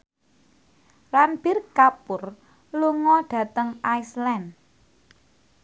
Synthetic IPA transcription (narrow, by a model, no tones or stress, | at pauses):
ranb̥ɪrkapʊr | luŋɔɖ̥ä̤t̪əŋaislɛn